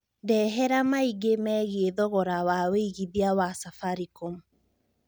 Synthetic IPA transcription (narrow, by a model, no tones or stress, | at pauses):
dɛːɦɛɾamaiɡemɛːɣieðɔɣɔɾawaweiɣiðiawasafaɾikomu